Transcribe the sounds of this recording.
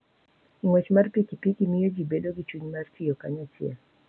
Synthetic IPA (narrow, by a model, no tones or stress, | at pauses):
ŋwɛt͡ʃmaɾpikipikimijɔd͡ʒibɛlɔɡit͡ʃuɲmartʰijɔkaɲat͡ʃia